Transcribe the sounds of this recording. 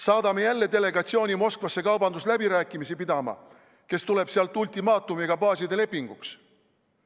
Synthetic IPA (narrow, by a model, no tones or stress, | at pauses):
sɑːd̪̥ɑme̞jælːe̞t̪e̞le̞ɡ̥ɑt̪sio̞ːnʲimo̞skvɑsːe̞kɑwbɑnd̪uslæbiɾæːkːˑimisipid̪ɑmɑ̰ | ke̞st̪ule̞b̥seɑlt̪ˑulʲt̪imɑːt̪umiɡ̥ɑpɑːsid̪e̞le̞pːiŋɡ̥uks